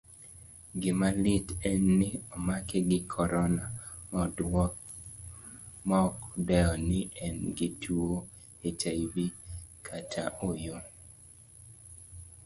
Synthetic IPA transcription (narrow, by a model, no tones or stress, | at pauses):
ɡɪmalɪtɛnːɪɔmakeɡɪkʰɔɾɔnamɔdɔ | mɔɔkdɛɔnɪʔɛnɡɪtʰuo | etajwikʰatʰa̰ʔojo